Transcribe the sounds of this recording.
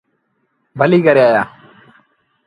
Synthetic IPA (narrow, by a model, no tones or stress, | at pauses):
bʱəliːkəɾeːaːjaː